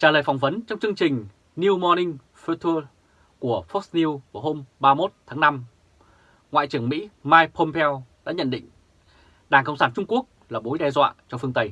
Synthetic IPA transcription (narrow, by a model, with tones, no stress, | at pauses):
t͡ɕaː˧˩ləː˨˩jfa˨˩wŋ͡mvə˨˦nt͡ɕwŋ͡mt͡ɕɨ˧əŋt͡ɕï˨˩ŋ̟ | ni˧wmɔ˧nï˧ŋ | fə˧t̪ʰɨ˧ | ku˧˩əfɔ˦˥k̚sni˧wvə˧˨˩ɦo˧mɓaː˧mo˦˥t̚t̪ʰaː˨˦ŋna˧m | ŋwa̰ː˧˨jt͡ɕɨ˧˩əŋmḭ˧˥maː˧jpʰo˧mpʰɛ˧wɗa̰ː˧˥ɲə̰˧˨nɗḭ̈˧˨ŋ̟ | ɗaː˨˩ŋkə̰˧˨wŋ͡msaː˧˩nt͡ɕʊ˧ŋ͡mku˦˥ək̚laː˨˩ɓo˨˦jɗɛ˧zwa̰ː˧˨t͡ɕɔ˧fɨ˧əŋt̪ə˧j